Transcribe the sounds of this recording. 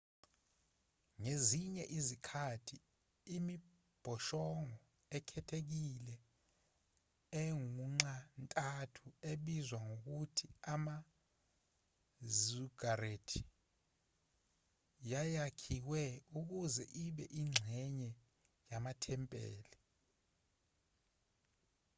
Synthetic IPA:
ŋeziɲɛʔizikʰatʰiː | mi | b̥ʱɔʃɔŋɔ | ɛkʰɛtʰek̬ilɛ | ɛŋuŋ͡ǁantʼatʰueɓizwaŋok̬utʰiama | zuɡ̥aretʰi | jajakʰiwɛuk̬uzɛʔiɓɛʔiŋ͡ǁʱɛɲɛ | jamatʰɛmpʼɛ̰ːlɛ

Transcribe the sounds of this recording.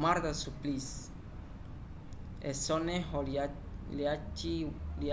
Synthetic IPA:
maɾd̪asuplis | esoneɦo | liat͡ʃili

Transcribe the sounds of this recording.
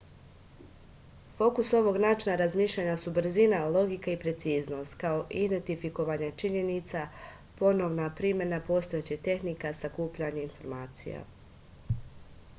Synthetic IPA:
fo̞kuso̞ʋo̞ɡnaːt͡ʃinaɾazmiːʃʎʲaɲasubɾ̩zinalˠo̞ɡikaipɾe̞t̪siːzno̞st̪kao̞ʔid̪e̞nt̪ifiko̞ʋaɲat͡ʃiɲe̞nit̪sa | po̞no̞ʋnapɾimje̞napo̞st̪o̞jet͡ɕit̪e̞xnikasakuːpʎaɲeinfo̞ɾmaːt̪sḭja̰

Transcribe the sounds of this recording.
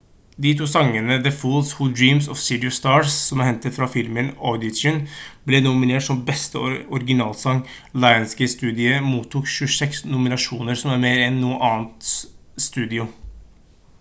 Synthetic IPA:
d̪it̪ʰuːsɑŋːənəd̪əfuːlshʊd̪ɹiːmsɔfsɪd̪ɪʊst̪ɑːɹsːɔmæɾhɛnt̪ət̪fɾɑfɪlmənɔd̪ɪd͡ʒənblɛnʊmɪneːʈʂɔmbɛst̪əɔɾɡɪnɑːlsɑŋ | lɑɪənskəst̪ʉːd̪ɪəmuːt̪ʰːuːkʃʉsɛksnʊmɪnɑʂuːnəɾsɔmæɾmeːɾɛnːuːəʔɑːnt̪st̪ʉːd̪ɪʊ

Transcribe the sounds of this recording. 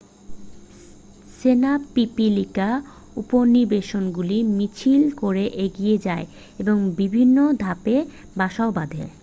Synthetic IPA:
senapipilika | uponiɾbeʃonɡulimit͡ɕʰilkoɾeʔeɡijed͡ʑae | eboŋbibʱinːod̪ʱape | baʃaobad̪ʱḛ

